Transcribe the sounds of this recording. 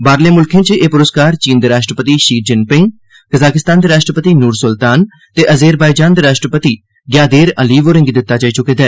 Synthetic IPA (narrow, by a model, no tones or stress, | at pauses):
baːɾleːmʊlkʰẽːt͡ʃeːpʊɾəskaːɾt͡ʃiːnd̪əɾaːʃʈɾəpət̪iːʃiːd͡ʒənpɪ̃ŋɡ̚ | kəzaːkɪst̪aːnd̪eːɾaːʃʈɾəpət̪iːnuːɾsʊlt̪aːn | t̪eːʔəzeːɾbaːid͡ʒaːnd̪eːɾaːʃʈɾəpət̪iː | ɡjaːd̪eːɾəliːʋoːɾɪ̃ŋɡd̪ɪt̪ːaːt͡ʃaːiːt͡ʃʊkeːd̪ɛː